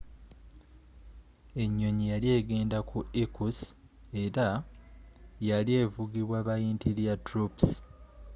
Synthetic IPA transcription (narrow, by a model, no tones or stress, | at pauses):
e̞ɲːo̞ɲijalje̞ːɡe̞ːndakʰuikus | e̞ɾa | jalie̞ːvuɡiβwaːβajiːntiɾjatuɾups